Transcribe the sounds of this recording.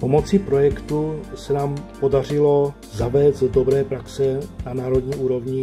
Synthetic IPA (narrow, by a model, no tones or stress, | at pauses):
po̞mo̞t͡sɪpɾo̞jɛkt̪usɛnaːmpo̞darɪlo̞ | zavɛːzddo̞bɾɛːpɾaksɛnanaːɾo̞dɲiːʔuːɾo̞vɲɪ